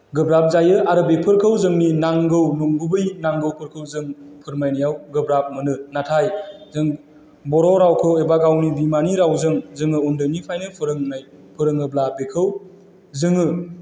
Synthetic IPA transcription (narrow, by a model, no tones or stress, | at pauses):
ɡɯbɾap̚zajɯaɾɯbepʰɯɾkʰɯwzɯŋninaŋɡɯwnuŋɡubɯjnaŋɡɯwpʰɯɾkʰɯwzɯŋpʰɯɾmajnɯjawɡɯbɾap̚mɯnɯnatʰajzɯŋ | bɔɾɔɾawkʰɯwebaɡawnibimaniɾawzɯŋzɯŋɯundɯnipʰajnɯpʰɯɾɯŋnaj | pʰɯɾɯŋɯblabekʰɯw | zɯŋɯ